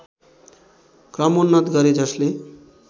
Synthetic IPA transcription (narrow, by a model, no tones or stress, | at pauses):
kɾamonːat̪ɡaɾed͡ʒaʃle